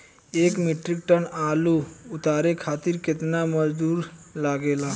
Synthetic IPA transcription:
eːkmiʈɾik̚ʈənaːluʊt̪aːɾekʰaːt̪iɾkɪt̪naməd͡ʒd̪uːɾlaːɡeːlaː

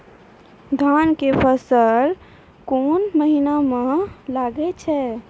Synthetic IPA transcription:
d̪ʱankepʰəsəɾ | konməɦinamelaɡɛt͡ʃʰɛ

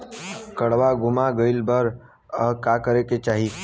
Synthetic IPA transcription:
kəɽʋaɡʱʊmaɡəɪlbəɾ | əkakəɾeket͡ʃaːɦiː

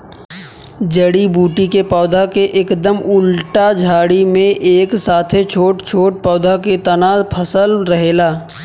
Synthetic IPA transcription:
d͡ʒəɽibuːʈikepɔːd̪ʱakeʔɪkd̪əmʊlʈad͡ʒʱaːɽimẽʔeːksaːt̪ʰet͡ʃʰoːʈt͡ʃʰoːʈ̚pɔːd̪ʱaket̪ɐnaːpʰəsəlɾɐɦeːlaː

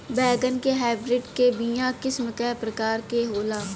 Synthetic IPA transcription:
bɛːɡənkeɦaːbɾɪɖkebijãkɪsməkɛpɾəkaːɾkeɦoːlaː

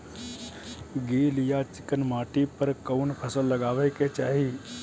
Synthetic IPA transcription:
ɡiːlijat͡ʃɪkənmaːʈipəɾkəʊnpʰəsəlːəɡaːʋɛket͡ʃaːɦi

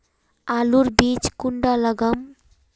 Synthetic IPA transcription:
aluɾbiːt͡ʃkuɳɖalɐɡɐm

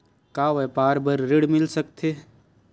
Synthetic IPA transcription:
kaːʋɛːpaːɾbəɾɾɪɽmɪlsɐk̚t̪ʰeː

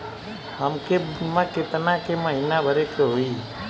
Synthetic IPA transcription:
ɦəmkemãket̪ənakeməɦinabʱəɾekʰeɦoi

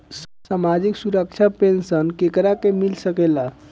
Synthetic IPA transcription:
səbsamad͡ʒiksuɾək̚t͡ʃʰapensənkekɾakemilsəkela

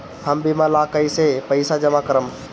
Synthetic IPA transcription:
həmbimalakəisepəɪsad͡ʒəmakəɾəm

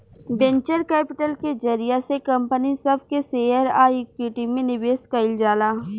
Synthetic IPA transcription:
bɛ̃ɲt͡ʃəɾkɛːpɪʈəlked͡ʒɐɾɪjasekɐ̃mpənisɐbʱkeseːjəɾaːikɪʈimẽnɪbeːskaɪld͡ʒaːlaː

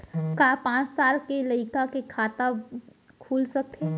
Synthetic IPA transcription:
kapãːt͡ʃsaːlkeləɪkakekʰaːt̪a | kʰuːlsɐk̚t̪ʰeː

